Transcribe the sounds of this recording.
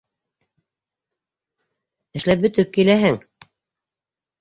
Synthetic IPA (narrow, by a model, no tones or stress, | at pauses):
ɘ̆ʃlæp̚bɵ̆t̪ɘp̚kilæɦɘŋ